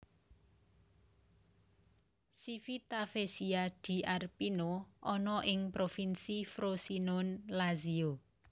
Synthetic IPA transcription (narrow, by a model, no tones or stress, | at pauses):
sifit̪afesiad̪̥i̤ʔarpinoʔɔnɔʔɪŋpɾofinsifɾosinʊnlazio